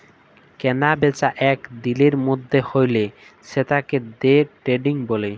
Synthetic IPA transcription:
kɛnabet͡ɕaʔɛkd̪ileɾmod̪ʱːehojle | ʃet̪aked̪eʈɾeɖiŋbole

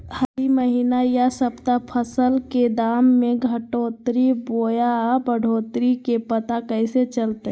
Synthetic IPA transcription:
həɾiməɦiːnajasəbt̪apʰəsəlked̪aːmːẽɡʱəʈoːt̪ɾiboːjabəɽʱoːt̪ɾikepət̪akəiset͡ʃəlt̪ː

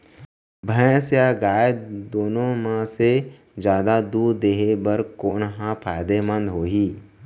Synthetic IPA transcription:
bʱə̃sjaɡaːjəd̪oːnõmãse | d͡ʒjaːd̪ad̪uːɾd̪eːɦebəɾkoːnɦãpʰaːɪd̪emə̃nd̪ɦoːɦiː

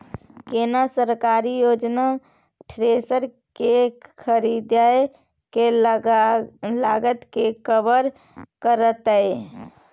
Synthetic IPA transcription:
kenasəɾkaɾijod͡ʒna | ʈʰɾesəɾ | kekʰəɾid̪aj | ke | laɡət̪kekəbəɾ | kəɾət̪əe

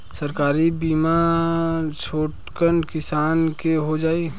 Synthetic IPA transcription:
səɾkaːɾibiːma | t͡ʃʰoːʈkənkɪsaːnkeɦod͡ʒaːi

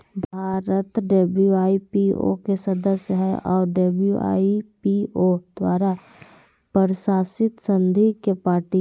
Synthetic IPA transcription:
bʱaːɾət̪ɖebuaːipio̰kesɐd̪əsjəɦɛɔːɾɖebua̰ːipiod̪̥waːɾa | pəɾʃaːsɪt̪sə̃nd̪ʱikepaːɾʈi

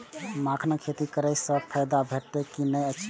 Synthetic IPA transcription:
makʰnəkʰet̪ikəɾəjsə̃pʰəjd̪abʱeʈt̪ekinəjət͡ʃʰ

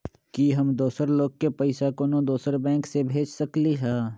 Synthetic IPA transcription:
kiɦɐmd̪oːsəɾloːɡ̚kepɐɪsakonõd̪oːsəɾbɛ̃ːŋksebʱeːd͡ʒsɐkliɦɛː

